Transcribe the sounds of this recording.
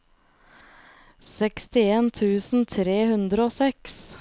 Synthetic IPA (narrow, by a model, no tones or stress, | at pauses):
sɛkst̪ɪeːnt̪ʰʉːsn̩t̪ʰɾeːhʉnd̪ɾəoːsɛks